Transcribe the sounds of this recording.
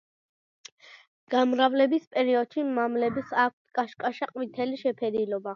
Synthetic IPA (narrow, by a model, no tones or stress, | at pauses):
ɡ̥amɾavlɛbispʼɛɾiɔd̪̥ʃimamlɛbisak̚ʷʰt̪ʰkʼaʃkʼaʃaqʼwit̪ʰɛliʃɛpʰɛɾilɔba